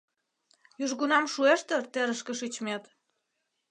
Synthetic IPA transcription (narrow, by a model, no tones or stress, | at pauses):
jyʒɣunɑmʃueʃt̪ĕrt̪eɾəʃkĕʃyt͡ɕmet̪